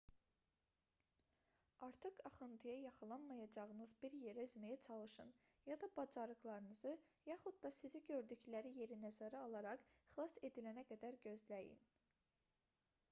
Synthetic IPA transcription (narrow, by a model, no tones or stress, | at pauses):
ɑɾt̪ʰɯqɑχɯnt̪ʰɯjɑjɑχɯlˠɑnmɑjɑd͡ʒɑʁɯnɯzbiɾje̞ɾæyzmæjæt͡ʃʰɑlˠɯʃɯn | jɑd̪ɑbɑd͡ʒɑɾɯɣlˠɑɾɯnɯzɯ | jɑχud̪̚d̪ɑsiziɟø̞ɾd̪yclæɾije̞ɾinæzæɾaɑlˠɑɾɑχχlˠɑse̞d̪ilænæɡæd̪æɾɟø̞zlæjḭn